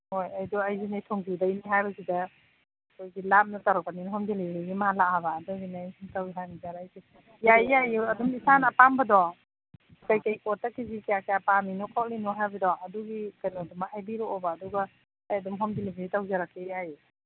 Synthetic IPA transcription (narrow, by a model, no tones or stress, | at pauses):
hojajdɔajzinajtʰɔŋbidajniɦajbɐsida | kʰojɡilap̚nataɾɔpaninɔɦɔmdilibɾiɡimaɦalak̚habaːdɔɡinajsntawɦanizaɾajki | jajjajɐdumisanɐpambɐdɔ | kajkajkɔtakizikijakajapaninɔkʰaw̚linɔɦajbɐdɔɐduɡikajnɔdumahajbiɾɔɔbaːduɡaː | jɐdumɦɔmdilibiitawzaɾakːejaj